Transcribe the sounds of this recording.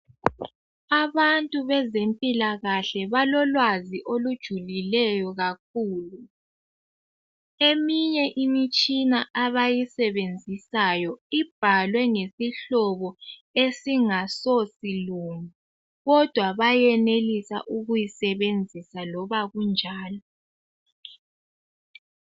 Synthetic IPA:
aβantʼuβɛzempʼilaɣaɬɛβalɔlwaziʔolud̥ʒ̥ʱulilɛjɔɣak̚ʰuːlu | emiɲɛʔimit͡ʃʼinaʔaβajisɛβend͡zʱisajɔib̥ʱalwɛŋesiɬɔβɔesiŋasɔsiluŋu | ɣɔd̥ʱwaβajɛnelisa̰ʔuɣujisɛβend͡zʱisalɔβaɣund͡ʒʱaːlɔ

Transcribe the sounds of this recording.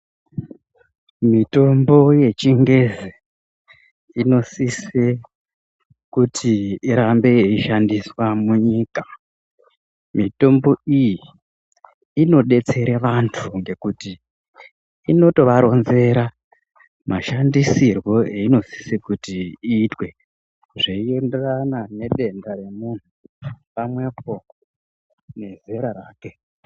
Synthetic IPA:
mito̞mbo̞je̞t͡ʃiŋɡe̞ze | ino̞sise | kutʰiːɾambe̞eiʃandiswamuɲiːka | mito̞mbo̞iji | ino̞ɗe̞t͡se̞ɾeʋantʰuŋɡe̞kuti | ino̞to̞ʋaɾo̞nze̞ɾa | mʔaʃandisirwo̞eino̞si̥sikutiiːtwe̞ | ʐeienderanane̞ɗe̞ndaɾe̞mun̤upamwe̞po | ne̞ze̞ɾaɾaːke̞

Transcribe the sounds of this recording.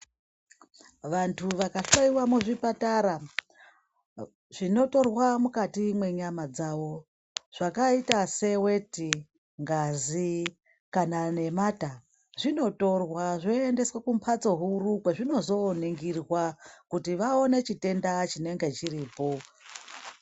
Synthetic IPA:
ʋantʰuʋakaʃaiwamuʐipataɾa | ʐ̥ino̞to̞rwamukatimwe̞ɲamad͡zaʋo̞ | ʐ̥akaitase̞we̞ti | ŋɡazi | kanane̞mata | ʐino̞to̞rwaʐoende̞swakumpʰat͡so̞ɦuɾukweʐino̞zo̞niŋɡirwakutiʋao̞ne̞t͡ʃite̞ndat͡ʃine̞ŋɡe̞t͡ʃiɾiːpo̞

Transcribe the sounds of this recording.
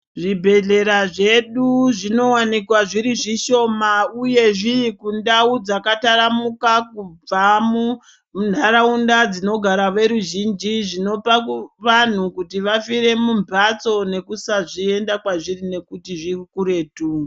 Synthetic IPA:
ʐibʱe̞ɮe̞ɾaʐe̞ɗuʐino̞wanikwaʐiɾiʐiʃo̞mauje̞ʐikundaud͡zakataramukakub͡vamu | mun̤aɾaundad͡zino̞ɡʱaɾaʋe̞ɾuʒind͡ʒiʐino̞paʋan̤ukutiʋafire̞mumbʱat͡so̞ne̞kusaʐie̞ndakwaʐirine̞kutiʐirkuɾe̞ːtuː

